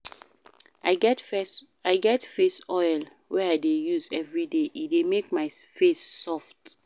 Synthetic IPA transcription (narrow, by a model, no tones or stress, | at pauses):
a | aɪɡɛtfesɔɪl | wɛaɪdejuzɛvɹideʔidemek̚maɪfesːɔft